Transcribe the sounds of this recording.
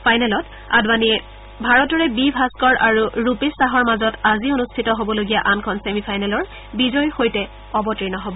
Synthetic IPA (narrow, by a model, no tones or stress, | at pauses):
pʰajnɛlɔt | a̰dbaniɛ | bʱaɹɔtɔɹɛbibʱaskɔɹʔaɹuɹupistaɦɔɹmazɔtazionustʰitɔɦobɔloɡijaʔankʰɔnsemipʰajnalɔɹ | bizɔjxojtɛ | ɔbɔtɹinɔɦɔbɔ